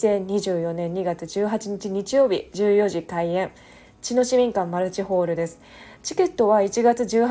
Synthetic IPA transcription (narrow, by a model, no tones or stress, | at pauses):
ẽ̞ɲɲʲːiʑɨːjo̞nẽ̞ɲ̟ːiɡat͡sɨd͡ʑɨːɦat͡ɕiɲ̟it͡ɕiɲ̟it͡ɕijo̞ːbʲḭd͡ʑɨːjo̞ʑik̪aiẽ̞ɰ | t͡ɕino̞ɕimʲĩŋkãmmaɾɯ̟t͡ɕiho̞ːɾɯ̟d̪e̞sɨ̥ | t͡ɕi̥ke̞t̪ːo̞βait͡ɕiɡat͡sɨʑɨːh